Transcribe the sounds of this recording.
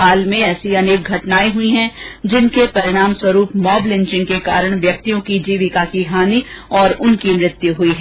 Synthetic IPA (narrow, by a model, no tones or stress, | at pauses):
aːlmẽɛːsiɐneːk̚ɡʱɐʈnaːiɦʊiɦɛ̃d͡ʒɪnkepɐɾɪɽ̃aːmswɐɾuːpmɔːblɪ̃ɲt͡ʃɪ̃ŋkekaːɾəɽ̃ʋjɐk̚t̪ijõkid͡ʒiːʋɪkakikaːniɔːɾʊnkimɾɪt̪juɦʊiɦɛ